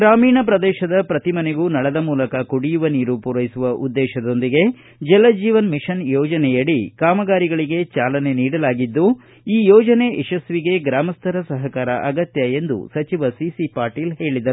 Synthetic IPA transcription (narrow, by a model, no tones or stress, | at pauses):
ɡɾaːmiːɳɐpɾɐd̪ɛːʃɐd̪ɐpɾɐt̪imɐneɡuːnɐɭɐd̪ɐmuːlɐkɐkuɽijuʋɐniːɾupuɾɐjisuʋɐʔud̪ːɛːʃɐd̪o̞nd̪iɡe̞ | d͡ʒɛlːɐd͡ʒiːʋɐnmiʃɐnjɔːd͡ʒɐnɛjɐɽikaːmɐɡaːɾiɡɐɭiɡe̞t͡ʃaːlɐne̞niːɽɐlaːɡid̪ːu | iːjɔːd͡ʒɐne̞ʔɛʃɐsʋiɡe̞ɡɾaːmɐst̪ʰɐɾɐsɐɦɐkaːɾɐʔɐɡɐt̪jɐe̞nd̪ṵsɐt͡ʃiʋɐsisipaːɾʈiːlɦe̞ːɭid̪ɐɾu